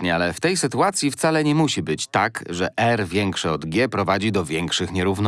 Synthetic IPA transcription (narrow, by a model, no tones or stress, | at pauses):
ɲɛalɛft̪ɛjsɘt̪uat̪sʲjift̪salɛɲɛmuɕibɘt͡ɕt̪akʐɛʔɛɾvʲjɛŋkʂɛɔd̪ɡʲjɛpɾɔvad͡ʑid̪ɔvʲjɛŋkʂɘxɲɛɾuvn